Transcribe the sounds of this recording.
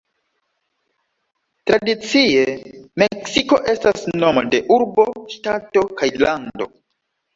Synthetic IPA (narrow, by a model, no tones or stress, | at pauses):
tɾadit͡sieme̞ksiko̞ʔe̞stasno̞mo̰de̞ʔuɾbo̞ʃtato̞kajlando̞